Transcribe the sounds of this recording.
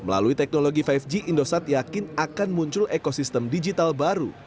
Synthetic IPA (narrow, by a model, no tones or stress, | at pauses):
məla̰luit̪ɛk̚noloɡifajfd͡ʒiʔindosat̪jakɪnakanmuɲt͡ʃʊlekosist̪əmdid͡ʒit̪albaɾu